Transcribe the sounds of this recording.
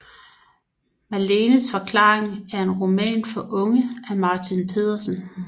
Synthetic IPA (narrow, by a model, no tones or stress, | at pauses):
mæleːnəsfɒ̽kʰlɑ̰̈ːeŋæɐe̝nʁo̝mɛ̰ːnfɒ̽ʔɔ̽ŋəæmɑ̈ːt͡sʰinpʰe̝ð̞̰ˠɐsən̩